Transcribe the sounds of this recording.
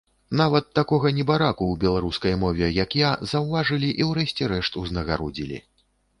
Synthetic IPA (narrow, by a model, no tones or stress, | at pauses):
navɐt̪ːakɔɣɐnʲɛbaɾakuwbʲɛlˠaɾuskɐjmɔvʲɛjɐkjazɐwvaʐɨlʲiʔiwɾɛɕʲt͡sʲɛɾɛʂt̪uznɐɣaɾɔd͡zʲilʲḭ